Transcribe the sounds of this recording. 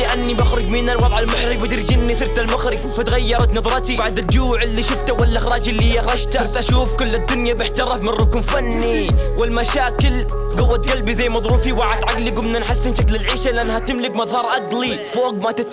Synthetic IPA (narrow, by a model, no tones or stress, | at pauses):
ɪʔanːibaxɾʊd͡ʒminalwɑðˤʕallmʊħɾibɪd̪ɾɪd͡ʒɪnːiθɪɾt̪almaɣɾɪfat̪ɣajːɑɾˤɑt̪nɑðˤɾˤɑt̪iaʕad̪ɪd͡ʒuːʕɪlːiʃɪft̪awalːaʔɪxɾˤɑːd͡ʒɪlːiaxɾˤɑʃt̪aɾt̪ʔaʃuːfkʊlːad̪ːʊnjabɪħt̪ɑɾˤɑfmɪnrːʊkʊmfanːiwɪlmaʃaːkɪl | ɡʊwːat̪ɡalbizajːmɑðˤɾuːfiwaʕad̪ʕaɡliɡʊmnanħasːɪnʃaklɪlʕiːʃalɪʔanːhat̪ɪmlɪkmɑðˤhɑːɾˤʔaɡlifoːɡ̚mʔat̪ɪt̪